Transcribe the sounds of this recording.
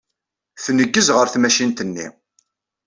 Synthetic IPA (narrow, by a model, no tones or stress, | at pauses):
θnəɡːəzʁəɾθmæʃint̪ənːḭ